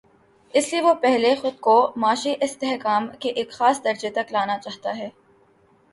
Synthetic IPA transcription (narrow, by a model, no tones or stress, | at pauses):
ɪslieʋopɛɦlexʊd̪̚komaːʃiʔɪst̪eɦkaːmkeʔeːkxaːsd̪ɐɾd͡ʒet̪ɐklaːnat͡ʃaːɦt̪aɦɛː